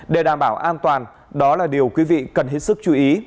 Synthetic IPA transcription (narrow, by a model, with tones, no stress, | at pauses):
ɗe˧˩ɗaː˧˩mɓaː˧˩wʔaː˧nt̪waː˨˩n | ɗɔ˨˦laː˨˩ɗi˨˩əwkwi˨˦vḭ˧˨kə˨˩nɦe˦˥t̚sɨ˦˥k̚t͡ɕu˨˦ʔi˨˦